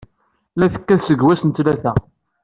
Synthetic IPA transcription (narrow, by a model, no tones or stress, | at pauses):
læθə̥kːæsəɡwæsənt̪læθæ